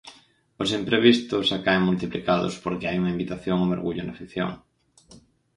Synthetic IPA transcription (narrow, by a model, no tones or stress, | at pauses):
osimpɾeβist̪ʊsakaeŋmult̪iplikaðʊ̰spoɾkeajuŋɐimbit̪aθjoŋomo̰ɾɣuʎʊnafiθjo̰ŋ